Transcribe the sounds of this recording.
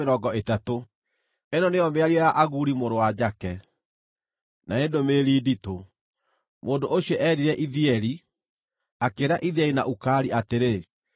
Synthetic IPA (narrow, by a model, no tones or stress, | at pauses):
eɾɔɡɔetato | enɔneɔmeaɾiɔjaʔaɣuɾimoɾowad͡ʑakɛ | naendomeɾiːdito | moːndoʔoɕiɛʔɛɾiɾɛʔiðiɛɾi | akeɾaʔiðɛina̰ʔukaːɾiʔateɾe